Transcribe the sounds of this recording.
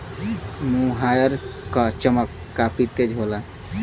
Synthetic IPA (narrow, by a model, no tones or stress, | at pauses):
muɦajəɾkat͡ʃəməkːapit̪ed͡ʒɦola